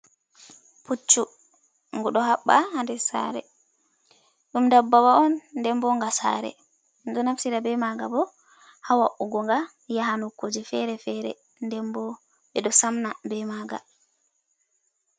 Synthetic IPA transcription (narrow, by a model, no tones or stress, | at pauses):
pʰut͡ʃːu | ŋɡuɗɔhaɓːahandɛsa̰ɾɛ̰ | ɗumdabːawaɔnːdɛmbɔŋɡasa̰ɾɛ̰ | ndɔnafsiɾabɛmaɡabɔ | hawaʔuɡɔŋɡa | jaɦanukːod͡ʒifɛɾɛfɛɾɛ̰ | ndɛmbɔ | ɓɛɗɔsamnabɛmaɡa̰